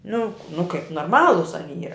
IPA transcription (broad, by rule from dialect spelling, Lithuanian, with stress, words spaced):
nʊ nʊ kɐɪp noːrˈmɑːlˠʊs ɐˈnʲiː ˈiːrɐ